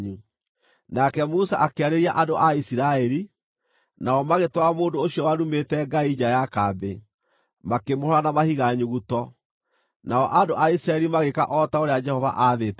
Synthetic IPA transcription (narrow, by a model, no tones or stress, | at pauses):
ɲu | nakɛmusa̰ʔakeaɾeɾiaʔandoʔaisiɾaɛɾi | naɔmaɣetwamoːndooɕjɔwaɾumetɛɡaid͡ʑajakabe | makemoɾanamahiɣaɲuɣutɔ | naɔʔandoʔaisiɾaɛɾimaɣeka̰ʔɔtaoɾead͡ʒɛhɔva̰ʔaðeːtɛ